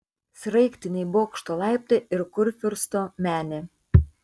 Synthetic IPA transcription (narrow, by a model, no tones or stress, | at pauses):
sʲɾɐɪkʲt̪ʲɪnʲɛɪboːkʃt̪oːlˠɑˑɪp̚t̪ʲeʔɪɾkʊɾʲfʲɪɾst̪omʲæːnʲe